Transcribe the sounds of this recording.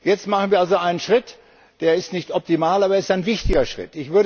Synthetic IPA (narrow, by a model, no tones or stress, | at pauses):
jɛt͡stmaχn̩viːɐalzoʔaɪnənʃʁ̥ɪt | d̥eːɐɪstnɪçtʔɔp̚timaːlaːbɐeɐɪstaɪnvɪçtɪɡɐʃʁ̥ɪ̰tɪçv̥ʏɐɾ